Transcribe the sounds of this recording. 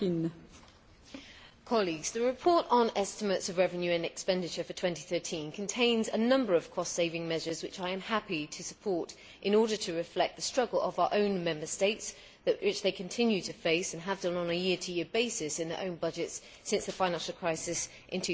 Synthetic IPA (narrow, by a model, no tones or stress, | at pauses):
n | kʰɑliɡz̥ðəɹɪpʰɔɹɾn̩ɛstəmətsəvɹɛvə̃njʉə̃nɛkspɛ̃ndɪt͡ʃəfətʰw̥ɛ̃nti̥θɜˑtʰĩnkʰə̃ntʰẽɪ̃nzənʌ̃mbə˞əv̥kʰɒstseɪvɪ̃ŋmɛʒəzwɪt͡ʃaɪɨ̃mhapitʰəsəpʰɔɹˑt | ʔɪ̃nɔːɾətʰəɹɪflɛk̚ðəstɹ̥ʌɡəlˠə̰vaʊəʔə̃ʊ̃nmɛ̃mbəsteɪts | ðwɪt͡ʃðeɪkʰɨ̃ntʰɪ̃njʉtʰɨfeɪsə̃nəvdʌ̃nə̃nəjɪətʰəjɪəbeɪsɪsɨ̃nðə̰˞ʔə̃ʊ̃nbʌd͡ʒɪtsː | ɪ̃nsðəfãɪnæ̃nʃl̩ˠkʰɹ̥aɪsɪs | ʔɪ̃ntʰʉ